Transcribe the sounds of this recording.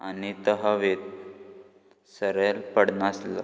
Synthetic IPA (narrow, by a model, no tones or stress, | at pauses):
anit̪əɦaʋet̪̚ | səɾelpəɽnasla̰